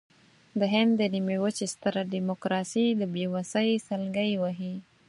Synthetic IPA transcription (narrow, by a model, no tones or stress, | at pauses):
d̪əɦɪnd̪ːənimewət͡ʃest̪əɾaɖimokɾɑsid̪əbjewasəjsəlɡəjwaɦi